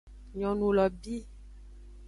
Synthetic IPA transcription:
ɲɔ̃˨nũ˨lɔ˨bi˦

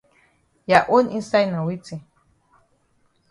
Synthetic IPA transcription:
ja˨ʔo˦ni˦sa˦jna˨wi˦t͡si˨

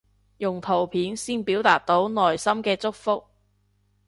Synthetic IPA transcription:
jʊ˨˩ŋt̪ʰo˨˩wpʰiː˨˥nsiː˥npiː˨˥wt̪aː˨k̚t̪o˨˥wnɔː˨jsɐ˥mkɛː˧t͡sʊ˥k̚fʊ˥k̚

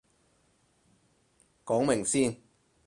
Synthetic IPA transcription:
kɔː˨˥ŋmɪ˨˩ŋsiː˥n

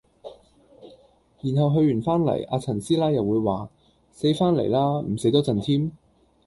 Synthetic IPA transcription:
jiː˨˩nɦɐ˨wɦɵ˧ɥyː˨˩nfaː˥nlɐ̰˨˩ja̰ː˧t͡sʰɐ˨˩nsiː˥laː˥jɐ˨wːuː˨˧jwaː˨ | se˨˥jfaː˥nlḛ˨˩jlaː˥m̩˨˩se˨˥jt̪ɔː˥t͡sɐ˨nt̪ʰiː˥m

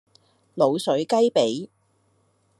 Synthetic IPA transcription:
lo˨˧wsɵ˨˥ɥkɐ˥jpe˨˥j

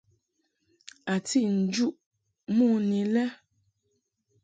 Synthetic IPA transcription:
a˨ti˦ʔn̩˨d͡ʒu˦ʔ | muː˦˨ni˨lɛ˦

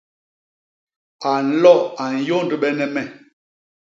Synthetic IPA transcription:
a˨n̩˦lɔ˦˨a˨n̩˨jo˦n˨də˨ɓɛ˦nɛ˦mɛ˨

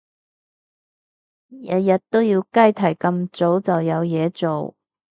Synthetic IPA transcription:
jɐ˨jɐ˨t̚t̪o˥wjiː˧wkɐ˥jt̪ʰɐ˨˩jkɐ˧mt͡so˨˥wt͡sɐ˨wjɐ˨˧wjɛː˨˧t͡so˨w

